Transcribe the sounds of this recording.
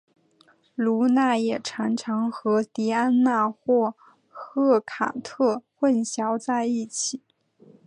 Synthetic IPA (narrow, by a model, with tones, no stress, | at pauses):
lu˧˥na˥˩jɛ˨˩ʈ͡ʂʰa˧˥ŋʈ͡ʂʰɑ˧˥ŋxɤ˧˥t̪i˧˥a˥nna˥˧xwɔ˥˩ | xɤ˥˩kʰa̰˨˩t̪ʰɤ˥˧xwə˥˩nɕjɑ˧˥ʊt͡sa˥˧ɪi˥˩t͡ɕʰi˨˩˦